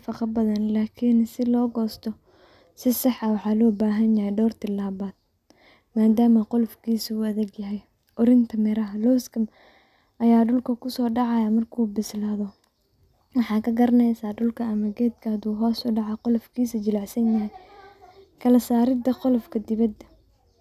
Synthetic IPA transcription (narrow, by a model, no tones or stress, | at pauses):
fɑqɑbɐðɐnlaːkʰɪnsɪlɔːɡɔːst̪ʰɔ | sɪsɑħɐwɑħɑːlɔːbaːɦɐnjɐhɛjɖɔːrt̪ɪlaːβaːd̪̥̚ | maːd̪aːmɐqʊlfkʰiːsɐuɐðɐɡjɐɦɛj | ʔɔɾɪnt̪ʰɐmɪɾɐɦɐlɔskʰɐm | ɐjaːɖʊlkʰɐkʰʊsɔːɖɑʕɑjamɐrkʰuːbɪslaːðɔ | wɑħɑːkʰɐɡɐɾɐnɛjsaːɖʊlkʰɐɐmɐɡɛːd̪kʰɐɐd̪uːɦɔːsʊɖɑʕɑqʊlɔfkʰiːsɐt͡ʃɪlɑʕsɐnjɐɦɛj | kʰɐlɐsaːɾɪd̪ɐqɔlɔfkʰɐd̪ɪβɐd̪ːɐ